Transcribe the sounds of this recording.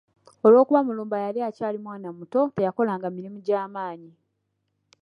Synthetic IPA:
o̞lwo̞ːkuβamuluːmbajaliacaːlimwaːnamuto̞te̞jako̞laːŋɡamiɾimuɟaːmaːɲi

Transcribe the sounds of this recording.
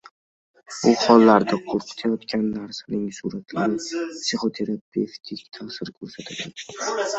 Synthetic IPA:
b̥ʊχɒlːaɾd̪aqʰoɾqʰɨ̥t̪ʰajɒt̪kʲʰanːaɾsanɪŋsuɾat̪ʰlaɾɪpsiχot̪ʰe̞ɾapʰe̞ft̪ʰɪkʲt̪ʰasɪɾkʰʲɵɾsat̪ʰad̪ɪ

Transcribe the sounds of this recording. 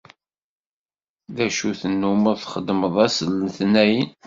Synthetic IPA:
ðæʃuθənːuməʁθχəd̪məðˤæsəlθnæjən

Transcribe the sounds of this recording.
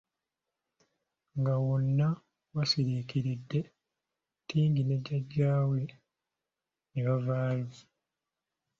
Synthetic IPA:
ŋɡawonːa | wasiɾiːkiɾidːe̞ | tiːŋɡineɟaɟːaːwe | niβavaːɲi

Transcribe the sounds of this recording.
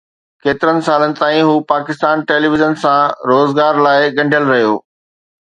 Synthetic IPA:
keːt̪ɪɾənɪ̆saːlənɪ̆t̪ãːĩɦuːpaːkɪst̪aːnʈeːliːʋɪʒənsãɾoːzɡaːɾlaːɪɠɐ̃ɳɖʱjəlɾɐɦijo̰ː

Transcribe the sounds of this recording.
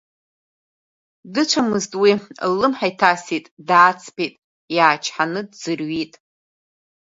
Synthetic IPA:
dɨt͡ʃʷʰamɨztʼwilːɨmħajtʰasitʼdaːt͡sʰpʰetʼ | jaːt͡ʃʰħanɨdzɨrɥitʼ

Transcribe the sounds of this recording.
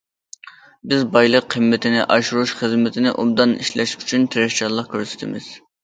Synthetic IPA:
bɪzbɑjlˠəqʰːəmːɪt̪ʰɪnɪʔɑʃuɾuʃχəzmɪt̪ʰɪnɪʔubd̪ɑnḭʃlɛʃyt͡ʃʰynt̪ʰɪɾɛʃt͡ʃʰɑɾlˠəqkʲʰøɾsɪ̥t̪ʰɪmɪz̥

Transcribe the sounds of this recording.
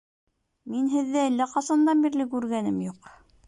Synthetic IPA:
minɦɘ̆ðːæɘlːæqɑsɑnd̪ɑmbiɾlɘkʉɾɡænɘmjuq

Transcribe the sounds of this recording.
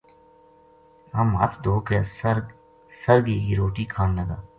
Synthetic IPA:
ama̰t̪ʰd̪oːkɛːsɾ | səɾɡeːɡiːɾoːʈiːkʰaːnləɡaː

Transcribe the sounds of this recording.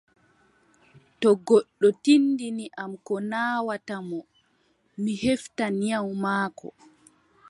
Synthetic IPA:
tɔɡɔɗːɔtinːdiniʔamkɔnaːwatamɔ | miheftanjawmaːkɔ̰

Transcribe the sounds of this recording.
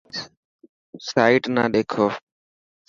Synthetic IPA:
saːɪʈna̰ːɗeːkʰoː

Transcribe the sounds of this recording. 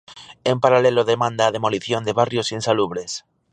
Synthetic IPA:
empaɾaleloðemãnd̪aːð̞emoliθjond̪eβarjosinsaluβ̞ɾes

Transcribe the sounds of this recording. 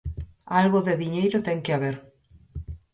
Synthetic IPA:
alɣoðeðiɲejɾot̪ɛŋkeaβeɾ

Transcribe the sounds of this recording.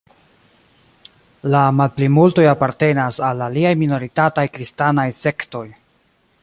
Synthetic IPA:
lamalplimulto̞japaɾte̞nasalaliajmino̞ɾitatajkɾistanajse̞kto̞j

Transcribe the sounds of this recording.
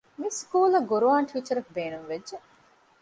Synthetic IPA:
miskuːlɐɡoɾuaːnʈʰiːt͡ʃɐɾɐkbeːɾuʋʋedːe

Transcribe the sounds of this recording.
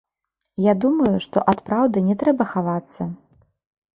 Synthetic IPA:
jad̪umɐjuʂt̪ɔ̰ʔat̪pɾawd̪ɨnʲɛt̪ɾɛbɐxavat̪sːɐ

